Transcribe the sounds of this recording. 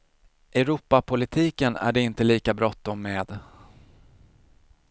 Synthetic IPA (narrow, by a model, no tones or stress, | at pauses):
ʔɛɾuːpapʰʊlɪt̪ʰiːkənæ̰ɖɛɪnt̪əliːkabɾɔt̪ːɔmːeːd̪